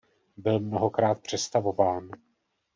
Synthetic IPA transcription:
bɪlmnoɦo̞kɾaːt̪̚pr̝̥ɛst̪avo̞vaːn

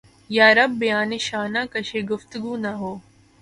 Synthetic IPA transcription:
jaːɾɐbːijaːneʃaːnaːkɐʃeːɡʊft̪ʊɡuːnɐɦoː

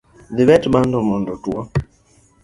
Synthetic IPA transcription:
ðiβɛtbandɔmɔndɔtua

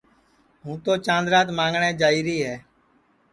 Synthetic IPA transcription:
ɦũːt̪oːt͡ʃãːnd̪ɾaːt̪mãːŋɡɳẽːd͡ʒaːiːɾiːɦɛː

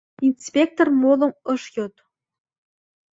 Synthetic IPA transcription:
inspʲek̚t̪ormolˠɤ̆mɤʂjot̪

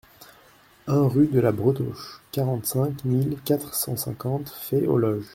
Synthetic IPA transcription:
ɛ̃ʁyd̪əlabʁət̪oʃkaʁɑ̃t̪sɛ̃kmilkat̪χsɑ̃sɛ̰̃kɑ̃t̪fɛʔo̰lɔʒ

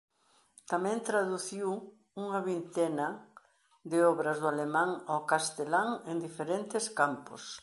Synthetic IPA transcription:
t̪amɛ̃nt̪ɾaðuθiw | uŋɐβint̪ɛnɐ | ðɪɔβɾɐzðʊalemãŋawkast̪elaŋend̪ifeɾent̪ɪskampʊ̰s

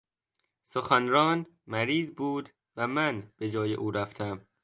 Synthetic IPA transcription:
soxænɾɒːnmæɾiːzbuːd̪ | væmænb̥ed͡ʒɒːjḛʔuːɾæft̪ʰæm

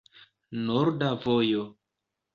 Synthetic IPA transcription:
noɾdavojo

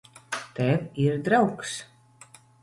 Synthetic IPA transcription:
t̪ɛviɾd̪ɾawks

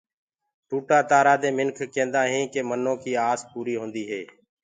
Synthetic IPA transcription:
ʈuːʈaːt̪aːɾaːd̪ẽːmɪnkʰkẽːnd̪ãːɦĩːkeːmənõːkiːaːspuːɾiːɦõːnd̪iːɦeː

